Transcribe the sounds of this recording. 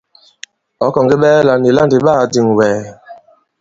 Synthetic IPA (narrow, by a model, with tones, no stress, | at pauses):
ɔ˨˦kɔ˨ŋɡe˦ɓɛː˦la˨ni˨la˦ndi˨ɓa˦˨di˨ŋwɛː˨